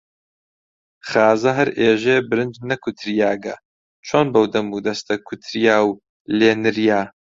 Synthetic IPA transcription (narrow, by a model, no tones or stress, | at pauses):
χaːzɐɦɐɾeːʒeːbɨɾɨnd͡ʒnɐkʰʊt̪ʰɾijaːɡɐ | t͡ʃʰoːnbɐwd̪ɐmud̪ɐst̪ɐkʰʊt̪ʰɾijaːw | leːnɨɾijaː